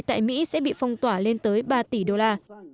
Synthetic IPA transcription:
t̪a̰ː˧˨jmḭ˧˥sɛ̰˧˥ɓḭ˧˨fa˧wŋ͡mt̪waː˧˩le˧nt̪əː˨˦jɓaː˧t̪i˧˩ɗo˧laː˧

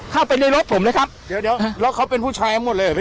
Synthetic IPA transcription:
kʰa˥˩wpa˧jdaː˥˩jɾo˦˥t̪̚pʰo˩˦mlːjkʰa˦˥p̚di˨˦wdi˨˩˦wlɛː˦˥wkʰa˦˥wpe˧npʰuː˥˩t͡ɕʰaː˧jt̪ʰa˦˥mo˨˩t̪̚lɤː˧a˨˩˦

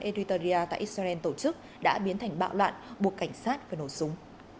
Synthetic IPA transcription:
ʔe˧ɾi˧t̪ə˧zi˧aː˧t̪a̰˧˨ʔi˦˥t̚za˧ɛ˧nt̪o˧˩t͡ɕɨ˦˥k̚ | ɗa̰ː˧˥ɓi˨˦nt̪ʰa˨˩jŋ̟ɓa̰ː˧˨wlwa̰ː˧˨nɓu˨˩əkːa˧˩jŋ̟saː˦˥t̚vaː˨˩no˧˩jsʊ˨˦ŋ͡m

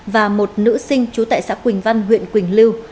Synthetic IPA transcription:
vaː˨˩mo˨˩t̚nɨ̰˧˥sï˧ŋ̟t͡ɕu˨˦t̪a̰ː˧˨jsa̰ː˧˥kwï˨˩ŋ̟va˧nɦwḭ˧˨ənkwï˨˩ŋ̟li˧w

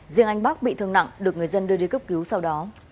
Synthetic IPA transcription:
zḭ˧˨əŋʔa˧jŋ̟ɓaː˦˥k̚ɓḭ˧˨t̪ʰɨ˧əŋna̰˧˨ŋɗɨ˨˩ək̚ŋ˨˩əjzə˧nɗɨ˧əɗi˧kə˦˥p̚ki˨˦wsa˧wɗɔ˨˦

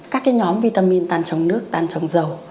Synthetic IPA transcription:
kaː˦˥k̚ːaː˨˦jɲɔ˨˦mvḭ˧˩t̪aː˧˩mi˧ənt̪aː˧˩nt͡ɕə˨˦wŋ͡mnɨ˦˥ək̚t̪aː˧˩nt͡ɕə˨˦wŋ͡mzə˨˩w

